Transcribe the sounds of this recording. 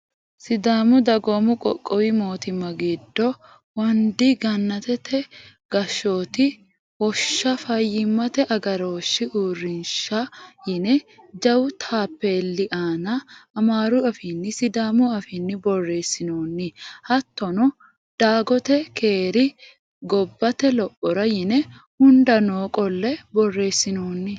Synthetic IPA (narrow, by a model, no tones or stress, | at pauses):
sɪd̪aːmʊd̪ɐɡɔmʊkʼɔ̰kʼːɔwɪmoːt̪ɪmːɐɡɪd̪ːɔ | wɐnd̪ɪɡɐnːɐt̪ɛt̪ʰːɛ | ɡ̥ɐʃːoːt̪ɪ | wɔʃːɐfɐjːɪmːɐt̪ɛʔɐɡɐɾoːʃːɪʔuːrːɪnʃɐjɪnɛd͡ʒɐwʊt̪ʰaːpːeːlːɪʔaːnɐːmaːɾʊɐfɪnːɪsɪd̪aːmʊɐfɪnːɪbɔrːe̞ːsːɪnoːnːɪhɐt̪ːɔnɔ | d̪̥aːɡɔt̪ɛkʰeːɾɪ | ɡɔbːɐt̪ɛlɔpʼːɔɾɐjɪnɛ | hʊnd̪ɐnoːkʼɔlːɛbɔrːe̞ːsːɪnoːnːɪ